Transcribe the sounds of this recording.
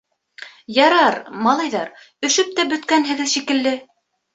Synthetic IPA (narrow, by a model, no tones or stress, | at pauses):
jɑɾɑɾmɑlˠɑjðɑɾ | ɵ̆ʃɵp̚t̪æbɵ̆t̪kænɦɘ̆ɡɘðʃikɘ̆lːɘ